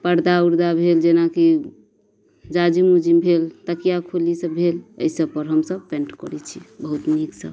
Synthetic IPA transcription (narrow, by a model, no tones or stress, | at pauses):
pəɾd̪auɾd̪abʱeld͡ʒenaki | d͡ʒad͡ʒimud͡ʒimbʱelt̪əkijakʰulisəbʱelə̰jsəbpəɾɦəmsəb̚pẽɳʈkɔɾɛt͡ʃʰibəɦut̪niksə̰b